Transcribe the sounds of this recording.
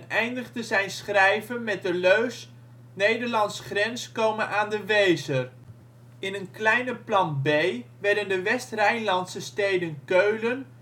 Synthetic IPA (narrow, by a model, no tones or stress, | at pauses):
nɛjndəχdəzɛjnsχrɛjvənmɛt̚dəløɥs | nejdəɹlɑnsχrɛnskowmənʔaːndəʋejzər | ɪnənklɛjnəplɑnbejʋɛɹdəndəʋɛstrɛjnlɑntsəstejdənkøɥlən